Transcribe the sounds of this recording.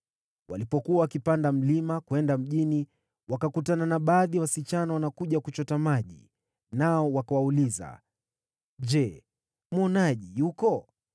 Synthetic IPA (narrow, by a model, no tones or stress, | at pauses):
wa̰lipɔkuwawakipandam̩limakuwɛndam̩ʄini | wakakutananaɓaːðiwasit͡ʃanawanakuʄakut͡ʃɔtamaʄḭ | naɔwakawauliza̰ | ʄɛ | mɔnaʄijukɔ